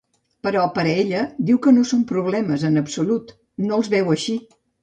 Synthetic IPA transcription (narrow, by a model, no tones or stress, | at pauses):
pəɾɔpəɾəeʎəd̪iwkənosompɾuβ̞lɛməzənəpsulut̪ | noəlˠzβɛwəʃi